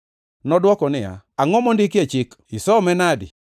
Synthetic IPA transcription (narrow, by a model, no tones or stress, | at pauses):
nɔdwɔkɔnɪa̰aŋɔmɔndɪkɪet͡ʃɪkɪsɔmɛnadɪ̰